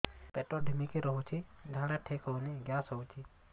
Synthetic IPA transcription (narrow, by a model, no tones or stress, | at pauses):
peʈoɖimikeɾɔɦut͡ʃʰid͡ʒʱãɽaʈʰekɔneɡjaːsɦɔut͡ʃʰi